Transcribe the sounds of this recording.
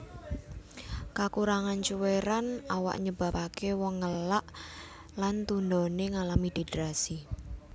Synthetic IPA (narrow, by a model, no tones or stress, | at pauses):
kakuɾaŋant͡ʃuweɾanawa̰ʔɲəb̥a̤pakewɔŋːəlaʔ | lant̪und̪ɔneŋalamid̪̥edɾasi